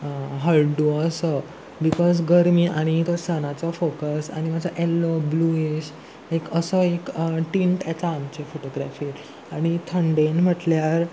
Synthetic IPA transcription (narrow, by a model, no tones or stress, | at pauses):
ɦəlɖuəsə | bikɔsɡəɾmiːʔaɽ̃it̪osanat͡sɔfokəsa̰ɽ̃imad͡zʱaʔelːoblueɕ | ekəsəekʈiɳʈat͡saːmt͡ɕefoʈoɡɾafiː | aɽ̃it̪ʰəɳɖenm̤əʈljaɾ